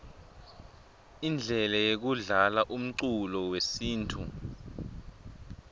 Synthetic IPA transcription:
ind͡ɮʱɛlɛjek̬uɮalaʔum̩ǀulɔwesiːntʰu

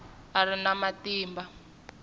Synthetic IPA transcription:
arinamatiːmba

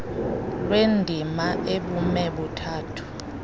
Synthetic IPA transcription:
lwendʱimaʔeɓumɛɓutʰaːtʰu̥

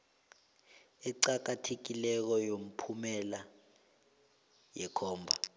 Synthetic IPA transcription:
ɛǀak̬atʰek̬ilɛk̬ɔjom̩pʰumɛla | jɛkʰɔːmbʱa

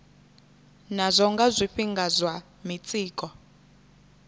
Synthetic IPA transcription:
nazʷɔŋɡazʷiɸiŋɡazʷwa | mit͡sʼiːkʼɔ

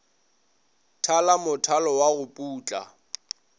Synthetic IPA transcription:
tʰalamʊtʰalɔwaɣʊpʼuːt͡ɬʼa̰

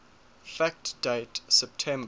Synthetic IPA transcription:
fæk̚td̥eɪtsɛp̚tʰɛ̃m

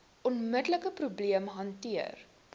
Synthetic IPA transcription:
ɔnmədələkəprubliəmɦɐntiər

